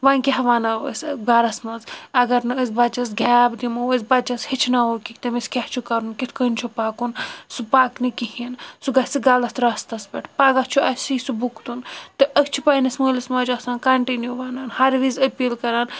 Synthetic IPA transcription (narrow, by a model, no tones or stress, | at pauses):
ʋanʲkʲaɦʋaːnasʲbaɾɐsmɐzɐɡɐɾnɨəsbɐt͡ʃɐs̬ɡʲaːbd̪imɐəzbɐt͡ʃɐshit͡ʃʰnaokʲikʲt̪ɐmiskʲaht͡ʃʰukɐɾunkit̪ʰkənʲt͡ʃʰupaːkunsupaːknikihinsuɡɐsiɡalɐst̪ʰɾast̪ɐsbʲɐʈʰpaɡɐt͡ʃʰuɐsisubukt̪unt̪ɨʔɐkt͡ʃʰupainɐsməːlismɐːd͡ʒɐsaːnkɐɳʈinjuʋaːnanhɐɾʋizɐpiːlkɐɾaːn